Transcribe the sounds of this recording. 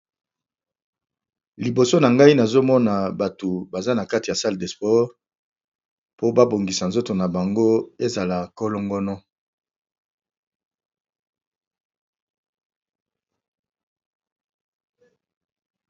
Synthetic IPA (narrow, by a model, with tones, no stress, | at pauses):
li˨bo˨so˦na˨ŋɡa˦i˦na˨zo˦mɔ˦na˨ba˨to˨ba˨za˦na˨ka˦ti˨a˨sa˦ldɛ˨spɔ˦ʁ | po˦ba˦bo˨ŋɡi˨sa˨nzo˦to˨na˨ba˨ŋɡo˦e˦za˨la˨ko˦lo˦ŋɡɔ˦nɔ˦